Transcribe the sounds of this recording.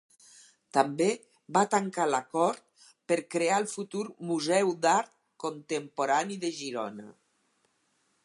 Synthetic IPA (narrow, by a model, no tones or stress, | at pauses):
t̪ambe | bat̪aŋkalakɔɾt̪̚ | pəɾkɾealˠfut̪uɾmuzɛwd̪aɾt̪̚ | kont̪empoɾaniðeʒiɾɔ̰na̰